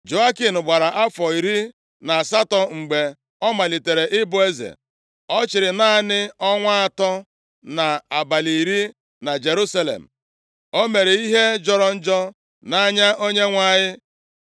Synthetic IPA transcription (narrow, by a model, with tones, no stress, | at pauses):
d͡ʒo˨a˦ki˨nʊ˨ɡ͡ba˨ɾa˨ʔa˦fɔ˨i˨ɾi˦ | na˨sa˦tɔ˨ŋ͡m̩˨ɡ͡be˨ | ɔ˦ma˨li˨te˨ɾe˨ʔɪ˦bʊ˨e˦zḛ˨ | ɔ˦t͡ʃɪ˨ɾɪ˨na˦nɪ˦ɔ˦ŋʷa˦a˨tɔ˦ | na˨a˨ba˨li˨ɾi˦ | na˨d͡ʒe˨ɾu˦sa˦lḛ˨m̩˨ | o˦me˨ɾe˨i˦ɦe˦d͡ʒɔ˦ɾɔ˦n̩˦d͡ʒɔ˦ | na˦ɲa˦ʔo˦ɲe˦ŋʷa˦˨ɲɪ˦